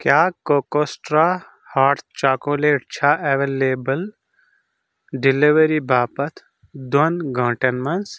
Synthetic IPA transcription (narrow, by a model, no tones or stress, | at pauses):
kjaːkoːkoːsʈɾaː | haːɾt̪t͡ʃaːkoːleːʈ̚t͡ʃʰaːʔeʋeːleːbəl | ɖɪliʋəɾibʱaːpət̪ʰ | d̪onɡʱãːʈɐnmɐns